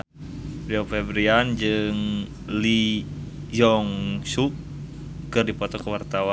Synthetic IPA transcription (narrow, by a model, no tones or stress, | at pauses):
ɾiofɛbɾiand͡ʒɨŋ | li | jɔŋsuk̚ | kɨrdipɔt̪ɔkəwart̪awa